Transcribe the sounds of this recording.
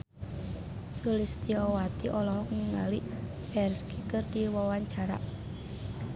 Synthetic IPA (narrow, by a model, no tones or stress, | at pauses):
sulist̪iɔwat̪iʔɔlɔɦɔkŋaliʔ | pɛrkikərd̪̥iwɔwaɲt͡ʃaɾa̰ʔ